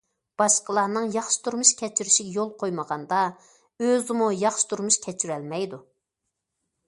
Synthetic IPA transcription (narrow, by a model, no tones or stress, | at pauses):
b̥ɑʃqəlˠɑnɨŋjɑχʃɪ̥t̪ʰuɾmuʃkʲʰɛt͡ʃʰyɾyʃiɡʲɛjolˠqʰojməʁɑnd̪ɑ | øzɪmujɑχʃɪ̥t̪ʰuɾmuʃkʲʰɛt͡ʃʰyɾɛlmɛjd̪u